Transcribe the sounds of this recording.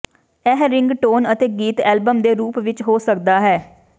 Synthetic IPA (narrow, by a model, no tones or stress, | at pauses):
ɛːɦɾɪŋɡʈoːnət̪eːɡiːt̪ɛːlbəmd̪eːɾuːpʋɪt͡ʃɦoːsəkd̪aːɦɛː